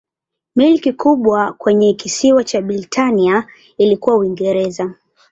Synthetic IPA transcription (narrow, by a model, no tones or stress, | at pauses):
milkikuɓwakwɛɲɛkisiwat͡ʃaɓiɾitʰania | ilikuwauwiŋɡɛɾɛza